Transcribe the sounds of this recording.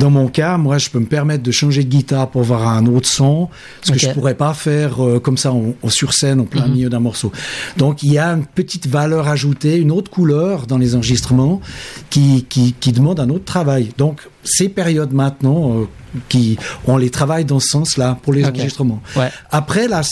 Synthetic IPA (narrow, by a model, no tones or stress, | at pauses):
d̪ɑ̃mɔ̃kamwaʒəpøməpɛʁmɛt̪χd̪əʃɑ̃ʒed̪əɡʲit̪aːʁpuʁavwaʁɛ̃not̪χə̥sɔ̃ | səkəʒəpuʁɛpafɛːʁøkɔmsaɑ̃syʁsɛnɑ̃plɛ̃mijød̪ɛ̃mɔʁsod̪̥ɔ̃kiljaynpət̪it̪valœːʁaʒut̪eynot̪χkulœːʁd̪ɑ̃lezɑ̃ʁəʒist̪χəmɑ̃kʲikʲikʲid̪əmɑ̃d̪ɛ̃not̪χə̥t̪ʰχavajd̪ɔ̃k | sepɛʁjɔd̪mɛ̃t̪nɑ̃ø | kʲiɔ̃let̪χavajd̪ɑ̃sə̥sɑ̃slapuʁlez̃ʁʒist̪χəmɑ̃wapχɛla